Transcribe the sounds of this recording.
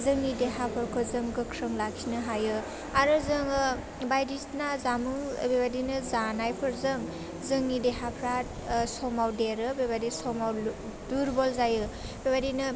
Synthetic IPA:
zɯŋːideɦapʰɯɾkʰozɯŋɡɯkʰɾɯŋlakʰinɯɦajɯ | aɾɯzɯŋɯ | bajdisnazamɯ̰bebadinɯzanajpʰɯɾzɯŋ | zɯŋideɦapʰɾat | sɔmawdeɾɯbebadisɔmaw | duɾbɔlzajɯ | bebadinɯ

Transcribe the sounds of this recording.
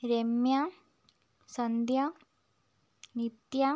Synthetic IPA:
ɾemja | sɐnd̪ja | nit̪ja

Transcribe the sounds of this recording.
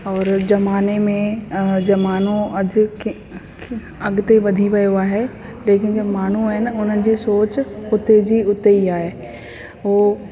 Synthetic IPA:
ɔːɾd͡ʑɐmaːnemẽd͡ʑɐmaːn̤oɐd͡ʑ | ɐɡt̪eʋɐd̪ʱiʋɐjoaːɦe | leːkɪnɐmaːn̤uaɦɪnɪʊn̤ənɪ̆d͡ʑiːsoːt͡ɕʊt̪ed͡ʑiːʊt̪eiaːɦeː | ɦoː

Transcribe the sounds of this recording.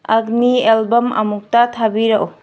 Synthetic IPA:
ɐɡnielbɔmɐ̰muk̚tatʰabiɾaʔo

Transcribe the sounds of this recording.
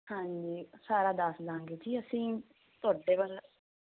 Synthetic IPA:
hãːɲd͡ʒiːsaːɾaːd̪əsd̪ãːŋɡeːd͡ʒiːəsĩː | t̪ʊaːɖeːʋal

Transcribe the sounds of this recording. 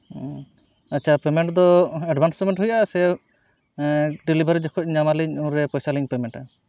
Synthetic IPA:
at͡ʃʰapɛmɛɳʈd̪ɔɛɖbʱanspɛmɛɳʈɦujasɛ | ɖilibʱaɾd͡ʒɔkʰɔc̚ɲamaliɲɔ̃ɾɛpɔjsaliɲpɛmɛɳʈa

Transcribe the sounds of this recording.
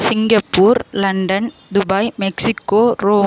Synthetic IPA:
sɪŋɡɐpːuːɾlɐɳɖɐn | d̪ʊbɐɪmɛksɪkːoːɾoː

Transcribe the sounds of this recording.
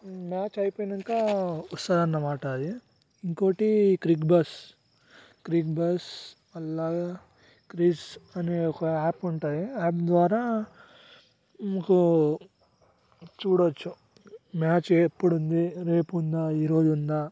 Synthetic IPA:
maːt͡ʃɐjpojnɐŋkɐusaːɾɐnːɐmaːʈɐd̪i | iŋkoːʈikɾikbɐs | kɾik̚bɐs | ɐlːaːɡ | kɾisɐnekaːpuɳʈaːd̪iaːpd̪ʋaːɾaː | mɐku | t͡ʃuːɽot͡ʃːu | maːt͡ʃepːuɽund̪iɾeːpund̪ɐiːɾoːd͡ʒund̪ɐ

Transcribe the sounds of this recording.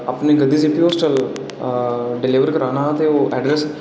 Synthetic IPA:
əpneɡəd̪iːsiːpioːsʈəl | ɖɪliːʋəɾkəɾaːnat̪eoːʔɛːɖɾɛs

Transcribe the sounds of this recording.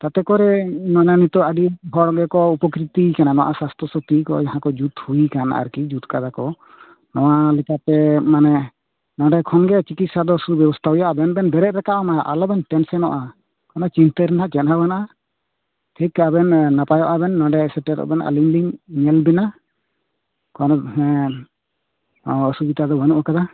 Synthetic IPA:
t̪at̪ɛkɔɾɛnɔɲanit̪ɔaɖiɦɔɽɡɛkɔupɔkɾit̪ikananɔʔasast̪ʰɔsɔt̪ikɔ̰d͡ʒaɦãkɔd͡ʒut̪huikana̰ʔa̰ɾkid͡ʒut̪kad̪akɔ | nɔwalɛkat̪ɛmanɛ | nɔ̃ɖɛkʰɔnɡɛt͡ʃikit̪̚sad̪ɔsubjɔbɔst̪ʰaɦujaʔabɛnbɛnbɛɾɛʔ̪̚ɾɛkaʔɔmajaʔalɔbɛnʈɛnsɛnɔʔa | kɔnɔt͡ʃint̪əɾɛnaʔt͡ʃɛnhabanaʔa | t̪ʰikːaabɛnːapajɔʔabɛnːɔ̃ɖɛsɛʈɛɾɔ̰ʔbɛnaʔa̰limliŋɲɛlbɛna | kɔnɔɦɛ̃ | ɔsubit̪ad̪ɔwɛnuʔakad̪a

